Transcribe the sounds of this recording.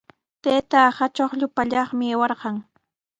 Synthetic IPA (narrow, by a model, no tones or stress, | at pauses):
t̪eːt̪ahat͡ʃoχʎʊpaʎɑχmɪewɑɾɢɑŋ